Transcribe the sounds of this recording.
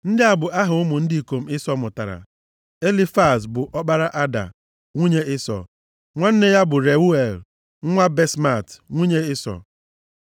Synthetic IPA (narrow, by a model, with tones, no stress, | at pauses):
n̩˦dɪ˦a˦bʊ˨a˦ɦʊ˨ʊ˦mʊ˨n̩˦di˦i˨ko˨m̩˦ɪ˦sɔ˦mʊ˨ta̰˨ɾa̰˨ | e˦li˦fa˦˨s̬bʊ˨ʔɔ˦ɓa˦ɾa˦ʔa˦da̰˨ | ŋʷu˦ɲe˦ɪ˦sɔ̰˨ | ŋʷa˦n̩˦ne˦ja˦bʊ˨ɾe˨u˦e˨l | ŋ̩˦ŋʷa˦be˦sma˦˨tŋʷu˦ɲe˦ɪ˦sɔ̰˨